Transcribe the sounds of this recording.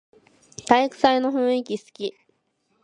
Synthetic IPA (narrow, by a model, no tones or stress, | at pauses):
t̪aikɯ̟̥saino̞ɸɯ̟̃ɰ̃ikʲisɨ̥kʲi